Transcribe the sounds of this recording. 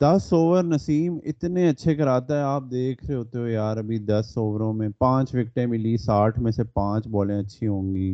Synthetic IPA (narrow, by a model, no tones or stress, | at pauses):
d̪ɐsoːʋəɾnəsiːmɪt̪nẽɐtːʃʰekɐɾaːt̪aɦɛaːp̚d̪eːkʰɾeɦoːt̪eɦojaːɾɐbʱid̪ɐsːoːʋəɾõmẽːpãːt͡ʃʋɪk̚ʈẽmɪlisaːʈʰmẽsepãːt͡ʃbɔːlẽɐtːʃʰiɦõːŋɡiː